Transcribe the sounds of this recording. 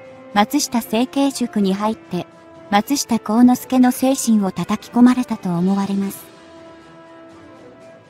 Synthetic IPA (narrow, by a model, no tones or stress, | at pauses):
mat͡sɨɕi̥t̪ase̞ːke̞ːɕokɯ̟ɲ̟iɦait̪ːe̞ | mat͡sɨɕi̥t̪ako̞ːno̞sɨ̥ke̞no̞se̞ːɕĩɰ̃o̞t̪at̪akʲi̥ko̞maɾe̞t̪at̪o̞ːmo̞βaɾe̞masɨ̥